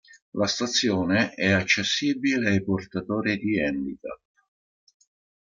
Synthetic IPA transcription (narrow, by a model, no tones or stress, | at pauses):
last̪at̪sːjɔːneɛat͡ʃːesːiːbileajport̪at̪ɔːɾid̪iɛnd̪ika̰t̪